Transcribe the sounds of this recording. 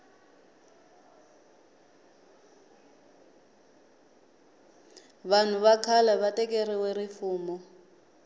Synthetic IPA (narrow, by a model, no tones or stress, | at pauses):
βan̤uβakʰalaβatʼɛkʼeriwɛrifuːmɔ